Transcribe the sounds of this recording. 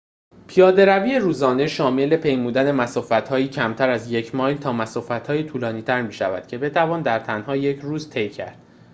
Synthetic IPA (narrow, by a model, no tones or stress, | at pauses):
pʰijɒːd̪e̞ɾæviːjeɾuːzɒːne̞ʃɒːme̞le̞pʰe̞jmuːd̪æne̞mæsɒːfæt̪hɒːjiːcʰæmt̪ʰæɾæzje̞cʰmɒːjlt̪ʰɒːmæsɒːfæt̪hɒːjet̪ʰuːlɒːniːt̪ʰæɾmiːʃæ̰væ̰d̪̥cʰe̞be̞t̪ʰævɒːnd̪æɾt̪ʰænhɒːje̞cʰɾuːzt̪ʰe̞jcʰæ̰ɾd̪̥